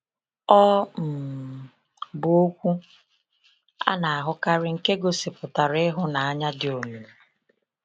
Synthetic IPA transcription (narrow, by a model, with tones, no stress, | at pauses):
ɔ˦m̩˨ | bʊ˨o˦kʷu˦ | a̰˦na˨a˨ɦʊ˦ka˦ɾɪ˦ŋ̩˨ke˦ɡo˨sɪ˨pʊ˨ta˨ɾɪ˦ɦʊ˦na˨a˦ɲa˦dɪ˦o˨nu˨